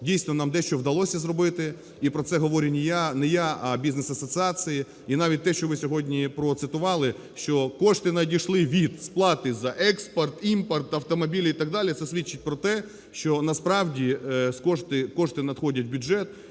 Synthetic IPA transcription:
dʲijsʲnɔnɑmd̪ɛʃt͡ʃɔwd̪ɐlˠɔsʲɐzrɔbɪt̪ɪ | ipɾɔsɛɦɔʋɔɾʲinʲijanɛjaɐbʲiznesɐsɔt͡s̪ʲɪɑsʲɨji | inɑʋʲit̚ʲt̪ɛʃt͡ʃɔʋɪsʲɔɦɔdʲnʲipɾɔt̪sɪt̪ʊʋɑlˠɪ | ʃt͡ʃɔkɔʃt̪ɪnɐdʲiʃlˠɪʋʲid̪splˠɑt̪ɪzɐʔɛkspɔrt̪impɐrt̪ɐwt̪ɔmɔbʲilʲit̪ɐɡ̚d̪ɑlʲit̪sɛsʲʋʲit͡ʃːɪt̚ʲpɾɔt̪ɛ | ʃt͡ʃɔnɐspɾɑwdʲiskɔʃt̪ɪkɔʃt̪ɪnɐd̪xɔdʲɐt̚ʲbʲʊʒɛt̪

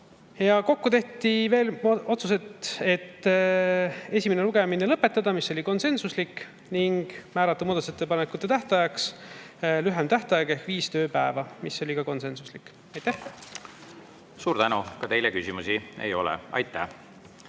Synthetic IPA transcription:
jɑko̞kːut̪e̞ht̪ive̞ːlo̞t̪sus̬e̞t̪e̞t̪ː | e̞sʲimeneluɡe̞minelɤpːe̞t̪ːˑɑd̪̥ɑmisːo̞lʲiko̞nse̞nsuslik | niŋɡ̥mæːɾɑt̪ːˑumoːd̪ɑt̪uset̪ːepɑnekːˑut̪ːˑet̪æht̪ɑjɑks | lyɦemt̪æht̪ɑjɑke̞hkviːst̪ø̞ːpæevɑmiso̞lʲikɑko̞nse̞nsuslikːˑ | ɑjt̪æh | suːɾt̪ænukɑt̪e̞jlekysimusiḛjo̞̰lɛ̰ɑ̰jt̪ːˑæ̰h

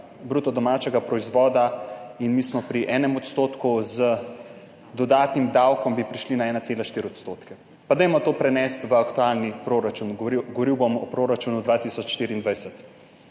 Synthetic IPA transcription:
bɾut̪ɔd̪ɔmat͡ʃɛɡapɾɔizʋɔːd̪ainmismɔpɾiʔɛːnɛmɔt̪st̪oːt̪kuzə | d̪ɔd̪aːt̪nimd̪awkɔmbipɾiʃlinaɛːnat̪seːlaʃt̪iːɾiɔt̪st̪oːt̪kɛ | pad̪ɛjmɔt̪oːpɾɛnɛst̪ʋəakt̪ualnipɾoɾat͡ʃunɡɔʋɔɾiwbomɔ̰pɾoːɾat͡ʃunud̪ʋaːt̪isɔt͡ʃːt̪iːɾiːnd̪ʋajsɛt̪

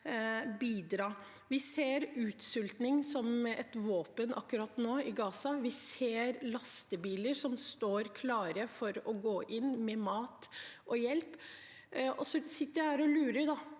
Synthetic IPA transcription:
biːd̪ɾɑː | ʋɪseːɾʉːt̪sʏlt̪nɪŋsɔmɛt̪ʋoːpənɑ̰kːʉɾɑt̪noːɪɡɑːsɑʋɪseːɾlɑst̪əbiːləɾsɔmst̪oːɾkʰlɑːɾəfɔɾɔɡoːʔɪnːmɛmɑːt̪ʔɔjɛlp | ɔsɔsɪt̪ːəɾæhæːɾɔlʉːɾəɖɑ

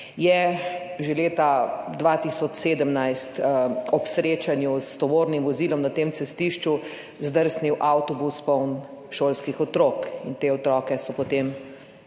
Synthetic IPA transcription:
jɛ | ʒeleːt̪ad̪ʋaːt̪isɔt͡ʃseːd̪əmnajst̪ɔpsɾeːt͡ʃanjust̪ɔʋoːɾnimʋɔziːlɔmnat̪eːmtsɛst̪iʃt͡ʃu | zd̪əɾsniwʔawt̪ɔbuspɔwnʃoːlskixɔt̪ɾoːkint̪eːɔt̪ɾɔːkɛsɔpɔt̪eːm

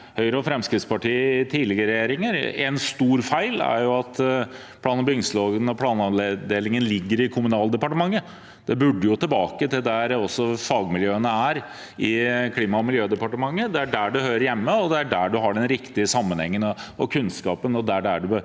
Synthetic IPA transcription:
hœʏɾəɔfɾɛmskɾɪt̪spɑʈiːət̪ʰiːlɪɡəəɾɛjeːɾɪŋəɾɛnst̪uːɾfæɪlæ̰ɾjʊɑt̪ | pʰlɑːnbʏŋsloːɡənɔpʰlɑːnɑnled̪eːlɪŋənlɪɡːəɾɪkʰʊmʉnɑːld̪ɛpɑʈəmɑŋːə | d̪̥ɛbʉɖːəjʊt̪ɪlbɑːkət̪ɪld̪æɾɔsːɔfɑːɡmɪljøːənəæɾ | ɪkʰliːmɑɔmɪljøːd̪ɛpɑʈəmɑŋːəd̪ɛæɖæɖʉhøːɾəɾjɛmːəɔd̪ɛæɖæɖʉɦɑɖɛnɾɪkt̪ɪəsɑmːənhɛ̰ŋːənɔ̰kʰʉnskɑːpənɔd̪æɖæɖʉ

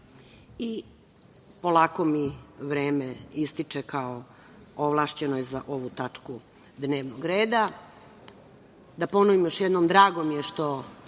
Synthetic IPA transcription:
i | po̞lˠaːko̞miʋɾeːmeist̪it͡ʂekao | oʋlˠaːʃt͡ɕe̞nojezaʔo̞ʋut̪at͡ʂku | d̪neːʋnoɡɾeːd̪a | d̪apo̞noʋimjo̞ʃjed̪nomd̪ɾaːɡo̞mjeʃt̪o̞

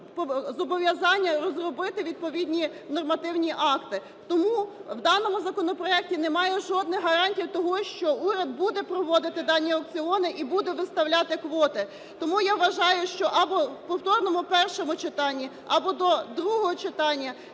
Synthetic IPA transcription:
pɔzɔbɔʋʲjɐzɑnʲːɐrɔzrɔbɪt̪ɪʋʲid̪̚pɔʋʲid̪ʲnʲinɔrmɐt̪ɪwnʲiʔɑkt̪ɪ | t̪ɔmuwd̪ɑnɔmʊzɐkɔnɔpɾɔɛk̚tʲinemɑjɛʒɔd̪nɪxɦɐɾɑnʲtʲiwt̪ɔɦɔʃt͡ʃɔuɾʲɐd̪̚bud̪ɛpɾɔʋɔd̪ɪt̪ɪd̪ɑnʲːiɔk̚t͡s̪ʲɪɔnɪʔibud̪ɛʋɪst̪ɐwlʲɑt̪ɪkʋɔt̪ɪ | t̪ɔmujaʋʋɐʒɑjʊʃt͡ʃɔʔɐbɔpɔwt̪ɔrnɔmʊpɛrʃɔmʊt͡ʃɪt̪ɑnʲːi | ɐbɔd̪ɔd̪ɾuɦɔɦɔt͡ʃɪt̪ɑnʲːɐ

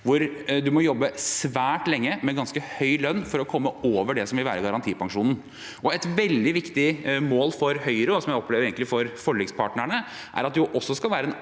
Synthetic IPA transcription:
ʋʊɾd̪ʉmɔjɔbːəsʋæːʈlɛŋːəmɛɡɑnskəhœʏlœnːfɔɾɔkʰɔmːəoːʋəɖɛsɔmʋɪlʋæ̰ːɾəɡɑɾɑnt̪ʰiːpɑŋʂuːnn̩ | ʔɔɛt̪ʋɛld̪ɪʋɪkt̪ɪmoːlfɔɾhœʏɾəɔsɔmjæɪɔpʰleːʋəeːɡŋəlɪfɔɾfɔɭɛɡspʰɑːʈɳəɳə | ʔæ̰ɾɑt̪̚d̪ʔɔsːɔskɑlʋæːɾəɛn

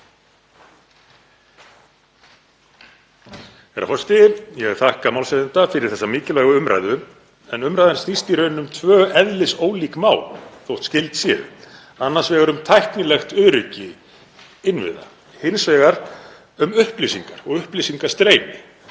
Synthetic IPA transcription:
ɛɾa̰fɔst̪ɪjɛɣaθahkamawlsɛðɪnt̪afɪɾɪɾ̥θɛsːamɪːcɪlaːɣʏʏmɾa̰jðʏ | ɛnʏmɾajðanstnist̪iɾœːɥnnʏmt̪ʰvœːɛðlɪsoːwliːkmaːwlθowht̪scɪlt̪sjɛ̰ð | anːaɾ̥svɛɣaɾʏmt̪ʰajhk̪nɪlɛxt̪ʏðɾʏcɪ | ɪnvɪ̰ða̰ | hɪnsvɛːɣaɾ̥ | ʏmʏhplisiŋkaɾ̥ɔɣʏhplisiŋkḁst̪ɾeːjnɪ

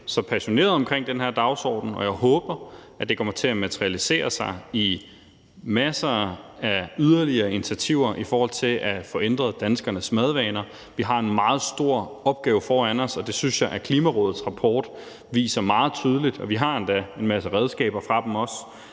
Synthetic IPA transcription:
sɒ̽pʰæɕo̝ne̝̰ːɐðˠɒ̽mkʰʁeŋ̰d̥enɦeɐ̰d̥ɑ̈ʊsɒ̰ːd̥n̩ɒ̽jɑ̈ɪɦɔ̽ːb̥ɐ | æd̥e̝kʰɒ̽m̰ɐt͡sʰe̝læmæt͡sʰʁiælise̝̰ːɐsɑ̈ɪi | mæsɐæyð̞ˠɐliɐːinit͡sʰæt͡sʰiʊ̰ɐʔifɒːhɒ̽l̰t͡sʰe̝lʔæfɒ̽ʔend̥ʁɐðˠd̥ænsɡ̥ɐnəsmæð̞ˠʋɛːnɐ | ʋiɦɑ̈e̝nmɑ̈ːð̞̩ˠsd̥o̝ɐ̰ɒ̽b̥̚ɡ̥ɛːʊfɒːænɒsɒ̽d̥e̝synsjɑ̈ɪʔækʰliːmæʁɔ̽ːð̩ˠsʁɑ̈pʰɒːd̥ | ʋḭːsɐmɑ̈ːð̞̩ˠt͡sʰyð̞ˠəlid̥ɒʋiɦɑ̈end̥æe̝nmæsəʁɛð̞ˠsɡ̥ɛ̰ːb̥ɐfʁɑ̈d̥em̩ɒ̽s

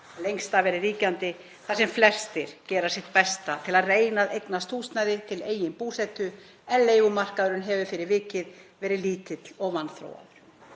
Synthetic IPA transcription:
lejŋst̪avɛːɾɪriːcant̪ɪ | θasɛmflɛr̥st̪ɪɾ̥cɛːɾasjɛht̪̚pɛst̪at̪ʰɪlaðreːjnaðejknast̪ʰuːst̪najðɪt̪ʰɪleːjɪnpuːsɛt̪ʏ | ɛnleːjɣʏmar̥kaðɾʏnɦɛvʏfɪɾɪɾvɪːcɪðvɛːɾɪliːt̪ɪt̪lɔɣvanːθɾo̰ːwa̰ðʏɾ̥

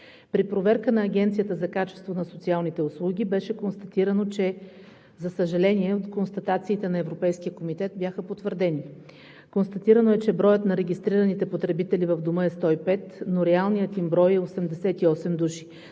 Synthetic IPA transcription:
pɾipɾovɛɾkənɐːɡʲɛnt̪sijət̪əzɐkat͡ʃɛ̥st̪vonɐsot̪sialˠnit̪ɛʊslˠuɡʲibɛʃɛkonst̪ɐt̪iɾɐnot͡ʃɛ | zɐsəʒɐlɛniɛot̪konst̪ɐt̪at̪siːt̪ɛnɐɛvɾopɛjskijəkomit̪ɛt̪̚bʲjaxəpot̪vəɾd̪ɛni | konst̪ɐt̪iɾɐnoɛt͡ʃɛbɾɔjət̪nɐɾɛɡʲist̪ɾiɾənit̪ɛpot̪ɾɛbit̪ɛlivɐvd̪omɤɛst̪ɔipɛt̪noɾɛalˠnijət̪imbɾɔjɛosɛmd̪ɛsɛt̪iɔsɛmd̪uʃi̥

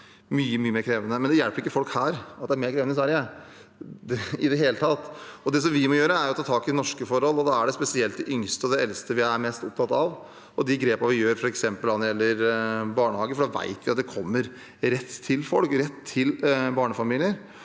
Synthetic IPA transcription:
myːəmyːəmeːɾkʰɾeːʋənəmɛnd̪ɛjælpəɾɪkːəfɔlkhæːɾɑt̪d̪ɛæɾmeːɾkʰɾeːʋnəɪs̬ʋæɾɪə | ɪd̪ɛɦeːlət̪ʰɑt̪ːɔd̪ɛs̬ɔmʋɪmɔjøːɾəæɾjʊɔt̪ʰɑːt̪ʰɑːkɪnɔʂkəfɔɾhɔlːɔd̪ɑæɖɛspɛsɪɛlt̪d̪ɛʔʏŋst̪əɔd̪ɛɛlst̪əʋɪæɾmɛst̪ʊp̚t̪ʰɑt̪ːɑʋ | ɔd̪ɪɡɾeːpɑʋɪjøːɾfɔɾɛksɛmpəlɑnɔɾjɛlːəɾbɑːɳəhɑːɡəfɔɖɑʋæ̰ɪt̪ʋɪɑt̪̚d̪ɛkʰɔmːəɾ | ɾɛt̪ʰːɪlfɔlkɾɛt̪ʰːɪlbɑːɳəfɑmiːlɪəɾ

